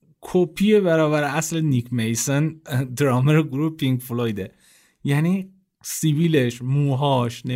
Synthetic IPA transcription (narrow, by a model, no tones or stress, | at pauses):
kʰopʰijeβæɾɒːbæɾeæslenikʰmejsond̪ɾɒːmeɾeɡɾuːhepʰiŋɡflojd̪e | jæniː | siviːleʃmuːɦɒːʃne